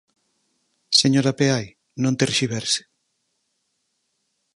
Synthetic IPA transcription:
seɲoɾapeaj | nõnt̪erɾʃiβɛɾse̥

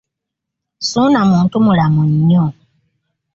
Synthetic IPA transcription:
sunamuːntumulamuɲːo

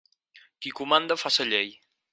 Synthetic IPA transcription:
kikumand̪əfasəʎej

